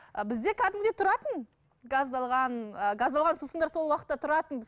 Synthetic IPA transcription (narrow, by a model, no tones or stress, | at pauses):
əbɪzd̪e̞kʲʰæd̪ɪmd̪e̞t̪ʰʊɾɑt̪ən | ɡɑzd̪ɑlˠʁɑnəɡazd̪ɑlˠʁɑnsusəɴd̪ɑɾso̞lˠwɑqə̥t̪ːɑt̪ʰʊɾɑt̪ənbɪ